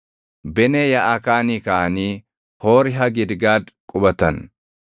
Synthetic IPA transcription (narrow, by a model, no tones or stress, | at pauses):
bɛneːjɐʔɐkaːniːkaʔɐniː | hoːɾɪɦɐɡɪd̪ɡaːd̪kʼʊbɐt̪ɐn